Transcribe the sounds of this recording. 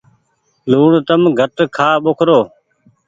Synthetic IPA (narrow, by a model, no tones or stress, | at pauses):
luːɳt̪əmɡʱəʈkʰaːɓokʰɾoː